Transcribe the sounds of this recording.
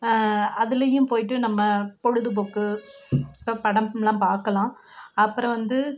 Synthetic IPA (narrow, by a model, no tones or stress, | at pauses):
ɐðɯlɐjɯ̃mpoːjɪʈ̬ːɯnɐmːɐpɔɻɯðɯp̬oːkːɯ | pɐɽɐmlãːpaːɾkɐlãː | ɐpːɯɾɐ̃ʋɐnd̪ɯ